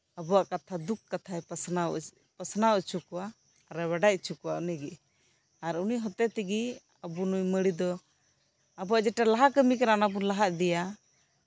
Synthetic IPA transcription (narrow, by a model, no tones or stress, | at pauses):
əbuwaʔkat̪ʰad̪ukːat̪ʰaɛsnaw̰ | pəsnawt͡ʃʰukuwa | ɾɛwɛɖac̚t͡ʃʰukuwa̰ʔnɛɡiʔ | aɾunujɦɔt̪ɛt̪iɡi | əbunujməɽid̪ɔ | abuaʔd͡ʒɛʈalaɦakəmikɛɾanabulaɦaʔd̪ɛja